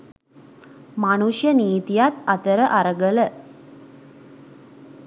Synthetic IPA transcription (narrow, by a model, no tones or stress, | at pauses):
manuʃjəniːt̪ijat̪at̪əɾəʔaɾəɡələ